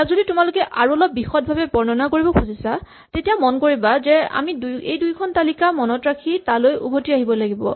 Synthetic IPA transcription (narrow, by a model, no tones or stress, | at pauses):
akzoditʊmalʊkɛʔaɹuɔlɔp̚ːixɔt̚bʱabɛbɔɹnɔnakoɹibɔkʰuzisa | tetijamɔnkoɹibazɛa̰miduejdujkʰɔntalikamɔnɔtɹakʰitalojṵbʱotiaɦibɔlaɡibɔ̰